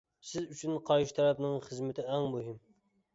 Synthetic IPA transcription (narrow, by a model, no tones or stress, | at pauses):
sɪzyt͡ʃʰynqʰɑɾʃi̥t̪ʰɛɾɛpnɨŋχəzmɪt̪ʰɪɛŋmuɦɪm